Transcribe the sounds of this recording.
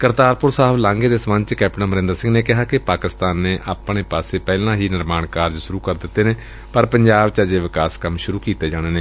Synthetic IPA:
kəɾt̪aːɾpʊɾsaːəblãːŋɡeːd̪eːsəmə̃nt͡ʃkɛːp̚ʈnãːməɾɪ̃nd̪əɾsɪ̃ŋɡneːkɪɦaːkɪpaːkɪst̪aːnːeːʔaːpɽeːpaːseːpɛːlãːɦiːnɪɾmaːɳkaːɾd͡ʒʃʊɾuːkəɾd̪ɪt̪ːeːneː | pəɾpəɲd͡ʒaːbt͡ʃad͡ʒeːʋɪkaːskəmʃʊɾuːkiːt̪eːd͡ʒaːɽ̃eːneː

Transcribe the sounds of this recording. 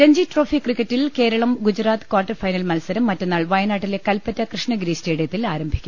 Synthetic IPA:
ɾeɲd͡ʑiʈroːfikːrikːɐtːilke̞ːɾɐɭɐmɡud͡ʑraːt̪ɨ̥kwaːrʈːɐrfɐjnɐlmɐlsɐɾɐmːɐtːenːaːɭʋɐjɐnaːʈːile̞kɐlpɐtːɐkrɨʂɳɐɡɾiːsteːɽijɐt̪ːilaːɾɐmbʱikʲːum

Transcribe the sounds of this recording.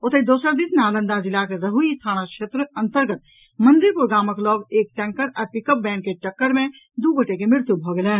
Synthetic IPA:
ʊt̪əid̪oːsəɾd̪isnaːlə̃nd̪ad͡ʒɪlakeɾəɦuist̪ʰaːñakʃʰeːt̪ɾəə̃nt̪əɾɡət̪̚ | mə̃nd̪iɾpuɾɡaːməklɔːɡeːk̚ʈɛ̃ŋkəɾəɾpɪkəp̚bɛ̃ːɳkeʈəkːəɾmẽ | d̪uɡəʈekemɾɪɾt̪jubʱɔːɡeleː

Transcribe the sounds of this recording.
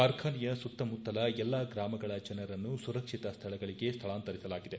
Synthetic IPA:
kaːɾkʰaːnijɐsut̪ːɐmut̪ːɐlɐɛlːaɡɾaːmɐɡɐɭɐd͡ʒɐnɐɾɐnːusuɾɐkʂit̪ɐst̪ʰɐɭɐɡɐɭiɡe̞st̪ʰɐɭaːnt̪ɐɾisɐlaːɡid̪e̞

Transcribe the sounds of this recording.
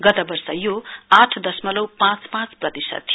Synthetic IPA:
ɡʌt̪abʌrsʌjoaʈʰd̪ʌsmʌlʌwpãt͡spãt͡sprʌt̪isʌ̰d̪̥̚ʰ

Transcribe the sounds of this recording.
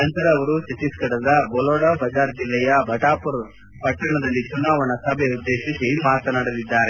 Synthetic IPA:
nɐnt̪ɐɾɐːʋɐɾut͡ʃɐt͡ʃ̪iskɐɽɐd̪ɐbɔloːɽɐbʱɐd͡ʒaːɾd͡ʒilːɐjɐbʱɐʈaːpuɾ | pɐʈːɐɳɐd̪ɐlːit͡ʃunaːʋɐɳɐsɐbʱɛud̪ːe̞ːʃisimaːt̪ɐnaɽɐlid̪ːaːɾe

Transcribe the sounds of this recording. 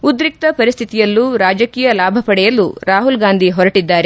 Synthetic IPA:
ud̪ɾik̚t̪ɐpɐɾist̪ʰit̪ijɐlːuɾaːd͡ʒɐkiːjɐlaːbʱɐpɐɽɛjɐluɾaːɦulɡaːnd̪ʱiɦɔɾɐʈid̪ːaːɾe

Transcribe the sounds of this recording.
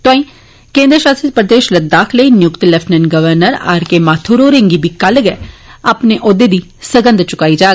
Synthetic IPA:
t̪õːĩː | kẽːnd̪ɾəʃaːsəpɾəd̪eːʃləd̪aːkʰləiːnɪjʊkt̪lɛpʰnənɡəʋəɾnəɾa̰ːɾkeːmaːt̪ʰoːɾoːɾɪŋɡiːbiːkəlɡɛːaːpneːʔʊd̪eːd̪iːsəɡə̃nd̪t͡ʃʊkaːiːd͡ʒaː

